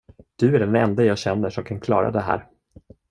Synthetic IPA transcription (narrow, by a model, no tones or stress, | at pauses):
d̪̥ɵæɖɛnɛnd̪ajɑːɡɕɛnːəʂɔmkʰankʰlɑ̰ːɾa̰d̪ɛɦæ̰ːɾ